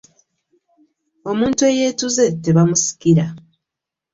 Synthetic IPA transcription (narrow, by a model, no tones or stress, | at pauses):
o̞muːntue̞je̞ːtuze̞te̞βamusi̥kiɾa